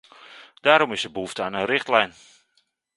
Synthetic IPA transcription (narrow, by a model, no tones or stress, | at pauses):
d̥aːɾɔmɪsəbəuftaːnənrɪχtlɛjn